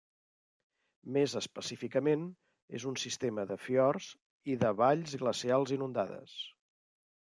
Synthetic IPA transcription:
mezəspəsifikəmen | ḛzunsist̪eməðəfjɔrz | iðəβaʎzɣləsialˠzinund̪aðə̰s

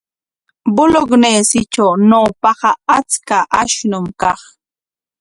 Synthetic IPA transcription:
bʊloɡneːsɪt͡ʃawnaːpɑɢɑat͡skaʔaʃnʊmkɑχ

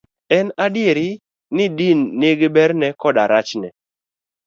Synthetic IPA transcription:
ɛnadɪeɾɪ | nɪdinːeɡebɛɾnɛkɔdaɾat͡ʃnɛ̰

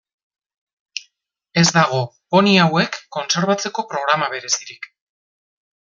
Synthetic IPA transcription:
e̞zd̪aɣ̞o̞ | o̞niawe̞kːo̞nse̞ɾβat͡se̞ko̞pɾo̞ɣ̞ɾamaβe̞ɾe̞siɾik

